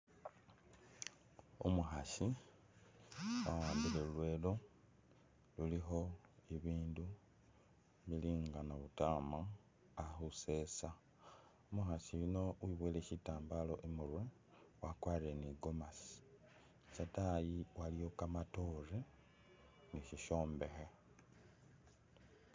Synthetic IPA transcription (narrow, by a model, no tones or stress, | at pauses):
umuxaʃi | wawaːmbileulwe̞ːlo | lulixo̞iβiːndu | βiliːŋɡanaβutaːma | axuse̞sa | muxasilino̞wiβweːleçitaːmbalo̞̰ʔimurwe | wakwaːreniɡo̞masi̥ | satajiwalijo̞kamato̞re | niʃiʃo̞ːmbe̞xe